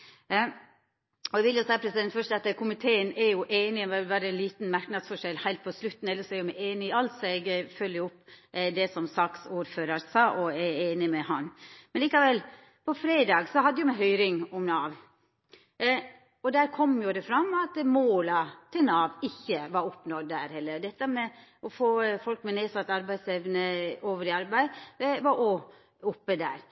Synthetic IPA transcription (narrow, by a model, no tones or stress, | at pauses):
ɔɛʋɪljʊsæɪpʰɾɛsɪd̪ɛnt̪fœʂtɑt̪kʰʊmɪt̪ʰeːənɛɾjʊʔeːnɪmɛbɑːɾəɛnliːt̪nmɑɾknɑd̪sfɔʂɛlːhæɪlt̪pʰɔslʉt̪ːn̩ɛlːəʂɔæɾjʊmæɪeːnɪɪɑlt̪sɔɛɡfœlːjəʊpːd̪ɛsɔmsɑksuːɾføːɾɑɾsɑːʔɔɛeːnɪmɛhɑnmɛnliːkɑʋɛl | pʰɔfɾeːd̪ɑːɡsɔhɑd̪ːəjʊɛɦœʏɾɪŋɔmnɑːʋ | ɔd̪æːɾkʰɔmːjʊd̪ɛfɾɑmːɑt̪moːlɑt̪ʰɪlnɑːʋɪçːəʋɑɾʊpnɔd̪ːæːɾhɛlːəɾd̪ɛt̪ːəmɛɔfoːfɔlkmɛneːsɑt̪ːɑɾbæɪsɛʋnəoːʋəɾɪɑɾbæɪʋɑɾʔɔ | ʊpːəd̪æ̰ːɾ